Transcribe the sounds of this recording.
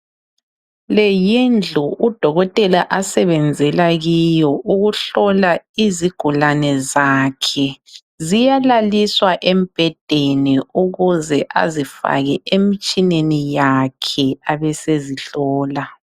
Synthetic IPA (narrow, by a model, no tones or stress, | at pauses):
lɛjind͡ɮʱuʔud̥ʱɔɣɔtʼɛlaʔasɛβɛnd͡zʱɛlaɣijɔʔuɣuɬɔlaiziɡ̥ʱulanɛzaːkʰɛ | zijalaliswaʔem̩b̥ʱɛd̥ʱeniuɣuzɛʔa̰zifa̰ɣɛʔemit͡ʃʼinenijakʰɛaβɛseziɬɔːla